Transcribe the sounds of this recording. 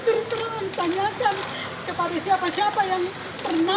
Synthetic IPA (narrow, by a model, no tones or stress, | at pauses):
kɾist̪ənanmənt̪aɲakan | kəpadasiapasiapajaŋ | pərna